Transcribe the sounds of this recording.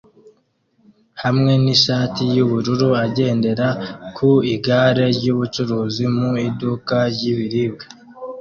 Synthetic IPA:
hamŋe̞niʃaːtijuβuɾuɾuaɟe̞ːnde̞ɾakʰuiɡaːɾe̞ɾɟuβut͡ʃuɾuːzimuidukaɾɟiβiɾiːb̚ɡḁ

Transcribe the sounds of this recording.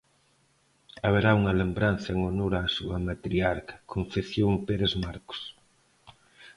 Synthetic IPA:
aβeɾauŋɐlembɾanθɐeŋonoɾaːsuɐmat̪ɾiaɾkɐ̥kʰoɱfeθjoŋpeɾezmaɾko̥s

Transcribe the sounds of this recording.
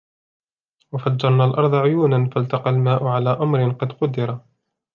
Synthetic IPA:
wafadd͡ʒːɑɾˤnaːlʔɑɾˤðˤɑʕʊjuːnanfalt̪ɑqɑlmaːʔʊʕalaːʔamɾɪnqɑd̪qʊd̪ːɪɾˤɑ

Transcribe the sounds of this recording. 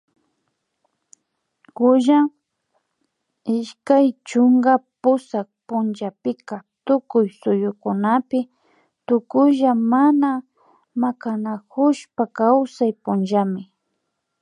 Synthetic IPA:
kʊʒa | ɪʃkajt͡ʃʊŋɡapʊsak̚pʊnʒapɪkat̪ʊkʊjsʊjʊkʊnapɪ | t̪ʊkʊʒamana | makanakʊʃpakawsajpʊnʒamɪ

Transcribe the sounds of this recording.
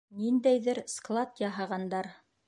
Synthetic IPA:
nind̪æjðɘɾsklˠat̪jɑɦɑʁɑnd̪ɑɾ

